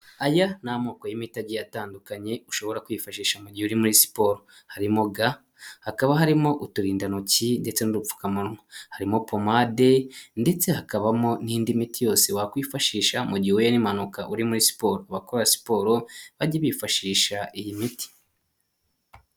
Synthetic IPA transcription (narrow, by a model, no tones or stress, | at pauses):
ajanamoːkojimitaɟijataːndukaɲe̞uʃo̞βo̞ɾakwjifaʃiːʃamuɟihuɾimuɾisi̥po̞ːɾo | haɾimoɡa | hakaβaɦaɾimo̞ʔutuɾiːndanocinde̞t͡se̞nuɾup͡fu̥kamuɾŋahaɾimo̞po̞made̞nde̞t͡se̞hakaβamo̞niːndimitijo̞ːse̞wakwiːfaʃiːʃamuɟihwujenimanukaʔuɾimuɾisi̥po̞ːɾoaβakoɾasi̥po̞ːɾo̞βaɟeβifaʃiːʃaʔijimiti̥